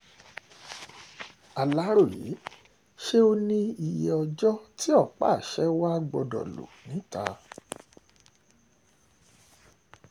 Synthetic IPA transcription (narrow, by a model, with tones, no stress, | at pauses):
a˨la˨˦ɾo˦˨jḭ˨˦ | ʃe˦o˧nĩ˦i˧je˧˨ɔ˧d͡ʒɔ˦ti˦ɔ˦˨k͡pa̰˦˨ʃɛ˦wa˦ɡ͡bɔ˧dɔ̰˨lo̰˨nĩ˨˦ta˧